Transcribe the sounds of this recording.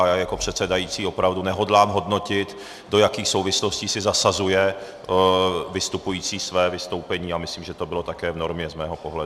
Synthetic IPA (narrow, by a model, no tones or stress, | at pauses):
jaːjako̞pr̝̥ɛt̪sɛdajiːt͡siːo̞pɾavdunɛɦo̞dlaːmɦo̞dno̞cɪt̪ | do̞jakiːxsowvɪslo̞sciːsɪzasazujɛ | vɪst̪upujiːt͡siːsvɛːvɪst̪owpɛɲiːamɪsliːmʒɛt̪o̞bɪlo̞t̪akɛːvno̞ɾmɲɛzmɛːɦopoɦlɛ